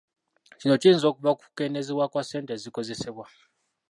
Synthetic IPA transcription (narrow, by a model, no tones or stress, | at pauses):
t͡ʃinot͡ʃiːnzokuβaku̥keneziwakwaseːntʼeziko̞zeseβwa